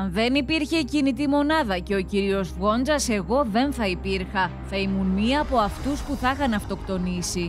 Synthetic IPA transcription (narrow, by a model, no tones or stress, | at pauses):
ɐnðe̞nipiɾçe̞cinit̪̬imo̞nɐðɐce̞o̞ciɾio̞zvɣo̞nd͡zɐse̞ɣo̞ðe̞nθɐipiɾxɐθɐimunmiɐːpo̞ɐft̪uspuθɐxɐnɐft̪o̞kt̪o̞nisi